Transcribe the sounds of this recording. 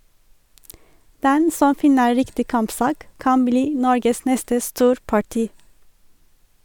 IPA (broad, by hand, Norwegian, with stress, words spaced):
ˈdɛn ˈsɔm ˈfɪnə ˈɹɪktɪ ˈkɑmpˌsɑːk ˈkɑn ˈbliː ˈnɔɹɡəs ˈnɛstə ˈstuːɾpɑˌʈiː